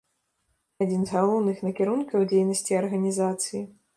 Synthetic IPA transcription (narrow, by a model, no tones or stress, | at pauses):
ad͡zʲinzɣalˠɔwnɨxnɐkʲɛɾunkɐwd͡zʲejnɐsʲt͡sʲiɐrɣɐnʲizat̪sɨji